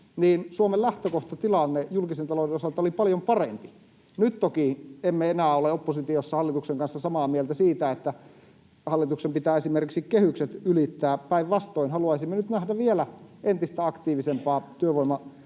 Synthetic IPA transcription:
niːnsuomellæht̪økoht̪ɑt̪ilɑnːejulkisent̪ɑloˑdenosɑlt̪ɑolipɑljompɑrempi | nyt̪t̪okiemːeenæːoleopːosit̪iosːɑhɑlːit̪ukseŋkɑnsːɑsɑmɑːmielt̪æsiːt̪æet̪ːæ | hɑlːit̪uksempit̪æːesimerkiksikkehykset̪ylit̪ːæːpæiʋʋɑst̪oinhɑluɑisimːenyt̪næhdæʋielæent̪ist̪æɑkt̪iːʋisempɑːt̪yøʋoimˑɑ

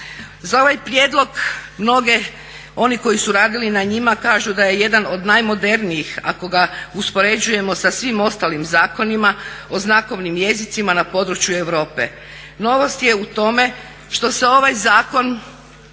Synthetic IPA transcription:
zao̞ʋajpɾjeːd̪lˠo̞ɡmno̞ɡe̞ | o̞niko̞jisuɾaːd̪ilinaɲimakaːʒud̪aje̞je̞d̪ano̞d̪najmo̞d̪e̞ɾniixa̰koɡauspo̞ɾe̞d͡ʒuje̞mo̞sasʋimo̞st̪alimzaːko̞nimao̞znako̞ʋnimje̞zit̪simanapo̞d̪ɾut͡ɕjue̞ʋɾo̞ːpe̞̰ | no̞ʋo̞st̪je̞ut̪o̞me̞ | ʃt̪o̞se̞o̞ʋajzaːko̞n

